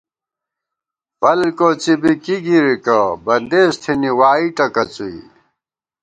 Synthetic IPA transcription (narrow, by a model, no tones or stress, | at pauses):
pɐlkot͡sibikiɡiɾikɐbɐnd̪eːst̪ʰiniwaːiʈɐkɐt͡suḭ